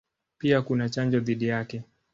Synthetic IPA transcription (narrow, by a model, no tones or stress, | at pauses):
piakunat͡ʃand͡ʒɔðiɗijakɛ